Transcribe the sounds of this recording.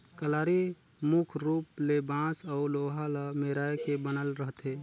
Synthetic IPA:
kəlaːɾi | mukʰɾuːplebãːsɔʊloːɦalameːɾaːjkebənəlɾəɦt̪eː

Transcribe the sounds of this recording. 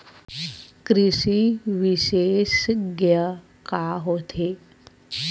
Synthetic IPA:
kɾiɕiʋiɕeɕɡjə | kaɦot̪ʰe

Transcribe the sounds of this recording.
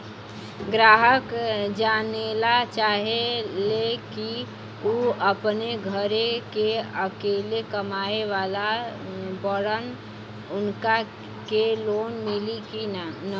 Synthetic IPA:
ɡɾaːɦəkd͡ʒanelat͡ʃaːɦeleki | uəpneɡʱəɾekeəkeːlekəmaeʋala | bəɽən | ʊnka | keloːnmiliki

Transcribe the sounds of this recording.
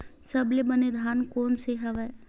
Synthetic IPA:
səblebəned̪ʱaːnkoːnseɦɐʋɛ

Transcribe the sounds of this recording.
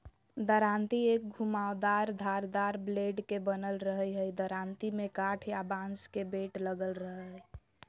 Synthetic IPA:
d̪əɾant̪iek̚ɡʱumawd̪aɾd̪ʱaɾd̪aɾbleɖkebənəlɾəɦəjɦəjd̪əɾant̪imekaʈʰjabãnskebeʈləɡəlɾəɦə

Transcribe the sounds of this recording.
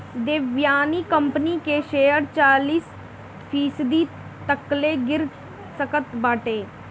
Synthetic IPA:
d̪eːʋjaːniːkəmpniːkeːʃeːəɾt͡ʃaːliːs | pʰiːsd̪iː | t̪əkleːɡɪɾ | səkət̪baːʈeː

